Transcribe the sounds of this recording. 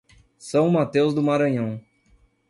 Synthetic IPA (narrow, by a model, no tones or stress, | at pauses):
sɐ̃w̃mat̪ewzd̪ʊmaɾɐ̃ɲɐ̃w̃